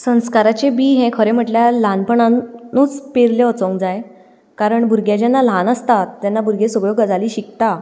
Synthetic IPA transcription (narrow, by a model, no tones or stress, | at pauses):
sə̃w̃skaɾat͡ɕebiːɦɛ̃kʰəɾẽm̤əʈljalanpəɳanuːt͡speɾljeɔt͡sõŋkd͡zaj | kaɾəɳbʱuɾɡjad͡ʑanːalanəst̪at̪ːjanːabuɾɡesəɡɭoɡəd͡zaliːɕikt̪a